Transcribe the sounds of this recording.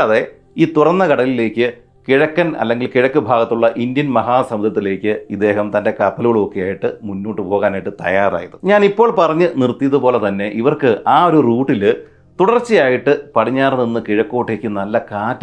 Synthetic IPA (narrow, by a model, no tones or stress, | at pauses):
ɐðe̞ | iːt̪urɐnːɐkɐɽɐlile̞ːkʲːɨ | kiɻɐkːɐnɐ̰lːeŋɡilkiɻɐkːɨbʱaːɡɐt̪ːuɭːɐʔindjɐnmɐɦaːsɐmɐd̪ʱɐt̪ːile̞ːkʲːɨid̪ːe̞ːɦɐmt̪ɐnde̞kɐpːɐluɣɐɭo̞kːejaːjiʈːɨmunːoːʈːɨpo̞ːɣaːnaːjiʈːɨt̪ɐ̰jaːra̰ːjɐðɨɲaːnipːoːɭpɐrɐɲːɨnirt̪ːijɐðupo̞ːle̞t̪ɐnːe̞ʔiʋɐrkɨʔaːo̞ɾuruːʈːil | t̪uɽɐrt͡ɕːijaːjiʈːɨpɐɽiɲːaːrninːɨkiɻɐkːo̞ːʈːeːkːɨnɐlːɐkaːtː